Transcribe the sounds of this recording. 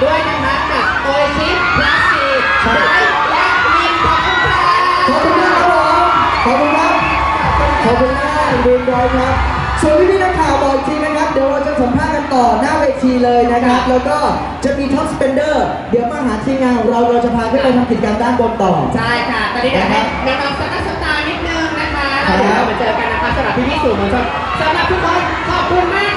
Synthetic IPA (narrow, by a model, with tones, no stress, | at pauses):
du˥˩əjna˦˥kʰɾa˦˥p̚se˨˩t̚ʔoː˧sʰi˦˥t̚ːʰa˦˥siː˧ | t͡ɕʰa˦˥˩ | lɛ˦˥˧ji˧ŋkʰɔ˧˦a˥˩a˦˥ | kʰɔː˨˩p̚kʰu˧nkʰa˦˥a˦˥o˨˦ | kʰɔː˨˩p̚kʰu˧nkʰa˦˥p̚ːʰ | ɔː˨˩p̚kʰu˧nkʰaː˦˥˩a˦˥˨ɾiː˧nwɔː˦˥jkʰɾa˦˥p̚ | su˨˩ənt̪ʰiː˦˥t̪ʰiː˧˩na˧˥kʰaː˨˩wt̪ɔː˨˩t͡ɕi˧˩t͡ɕi˧ŋna˦˥kʰa˦˥p̚di˨˩˦wɾa˧wt͡ɕa˨˩sa˩˦mpʰaː˥˩t̪̚ka˧nt̪ɔː˨˩naː˥˩weː˧t̪ʰiː˧lɤː˧jna˦˥kʰɾa˦˥p̚lɛː˦˥wkɔː˥˩ | t͡ɕa˨˩miː˧t̪ʰɔ˦˥spe˧ndɤː˥˩ | di˨˩˦əwkɔː˥˩ɦaː˩˦t̪ʰiː˧mŋaː˧nkʰɔː˩˦ŋɾa˧wɾoː˧wt͡ɕa˨˩pʰaː˧t̪ʰa˥˩ɾa˧wt̪ʰa˧p̪ʰi˨˩kaː˧ndaː˥˩nko˧nt̪ɔ̰ː˨˩t͡ɕʰa˥˩jkʰa˦˥˩t̪ɔː˧nːiː˦˥na˧˩kʰa˦˥˩na˧ka˧sa˨˩t̪ʰa˦˥sa˨˧˩t̪aː˧jni˦˥k̪̚nɯ˥˩əŋna˦˥kʰa˦˥˦da˧ma˨˦t͡ɕɤː˧ka˧nːa˦˥kʰa˦˥sa˧ɾa˨˩p̚t̪ʰiː˥˩pʰiː˥˩su˨˩ma˨˧˩kʰɔ˧˥˩ | sa˧˩˧ɾa˨˩p̚t̪ʰiː˦˥kɔ˦˥n | kʰɔː˨˩p̚kʰu˧nmaː˥˩